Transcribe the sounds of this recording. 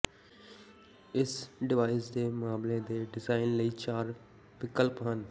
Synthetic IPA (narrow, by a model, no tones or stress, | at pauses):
ɪsɖɪʋaːɪsd̪eːmaːmlẽːd̪eːɖɪzaːɪnləiːt͡ʃaːɾ | ʋɪkəlpɦən